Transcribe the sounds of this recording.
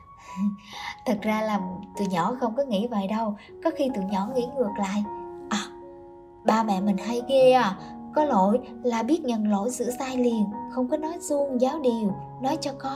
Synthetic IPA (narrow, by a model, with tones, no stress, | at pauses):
t̪ʰə˨˩t̚zaː˧laː˨˩t̪ṵ˧˨jɲɔ˧˩˦xə˧wŋ͡mkɔ˨˦ŋḭ˧˥və̰ː˧˨jɗə˧w | kɔ˨˦xi˧t̪ṵ˧˨jɲɔ˧˩ŋḭ˧˥ŋɨ˨˩ək̚la̰ː˧˨jʔɔ˨˩ | ɓaː˧˩mɛ̰˧˨mï˨˩ŋ̟ɦə˧jki˧əʔaː˨˩kɔ˨˦lo̰˧˨j | laː˨˩ɓi˦˥ət̚ɲə˨˩nlo̰˧˨jsɨ̰˧˨saː˧jli˨˩ənxə˧wŋ͡mkɔ˨˦nɔ˨˦jzu˧əŋzaː˨˦wɗi˨˩əw | nɔ˨˦jt͡ɕɔ˧kɔ˨˦